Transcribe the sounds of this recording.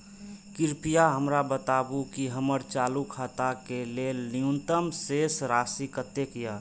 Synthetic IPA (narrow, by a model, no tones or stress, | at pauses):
kɪɾpijaɦəmɾabət̪abukiɦəməɾt͡ʃaːlukʰat̪akeleliũnt̪əmsesɾaːsikət̪ːekija